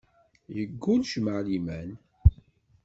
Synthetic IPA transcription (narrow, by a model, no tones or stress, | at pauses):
jəɡːunʃməʕlimæn